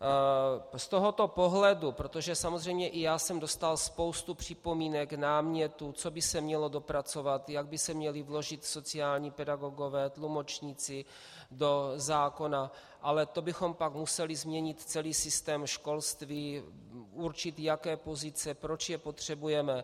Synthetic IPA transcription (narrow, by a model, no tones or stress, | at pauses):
st̪oɦo̞t̪o̞po̞ɦlɛdupɾo̞t̪oʒɛsamozr̝ɛjmɲɛʔɪjaːsɛmdo̞st̪alspo̞wst̪upr̝̥ɪpo̞miːnɛknaːmɲɛt̪ut͡so̞bɪsɛmɲɛlo̞do̞pɾat͡so̞vat̪jaɡ̚bɪsɛmɲɛlɪvlo̞ʒɪt̪so̞t͡sɪaːlɲiːpɛdaɡo̞ɡo̞vɛːt̪lumo̞t͡ʃɲiːt͡sɪ | do̞zaːko̞na | ʔalɛt̪o̞bɪxo̞mpakmusɛlɪzmɲɛɲɪt̪t͡sɛliːsɪst̪ɛːmʃko̞lst̪viː | ʔuɾt͡ʃɪt̪jakɛːpo̞zɪt͡sɛpɾo̞t͡ʃjɛpo̞t̪r̝̥ɛbujɛmɛ